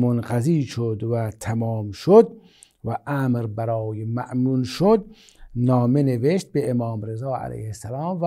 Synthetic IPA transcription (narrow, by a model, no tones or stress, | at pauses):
monɢæziːʃod̪væt̪ʰæmɒːmʃod̪̚ | væʔæmɾbæɾɒːjemæʔmunʃod̪̚ | nɒːmeneveʃt̪̚beːmɒːmɾezɑːæ̰læ̰jhesælɑːmvæ